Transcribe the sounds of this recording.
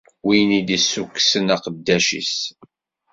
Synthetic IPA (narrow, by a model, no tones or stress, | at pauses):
wijnid̪isːukːsənæqəd̪ːæʃḭs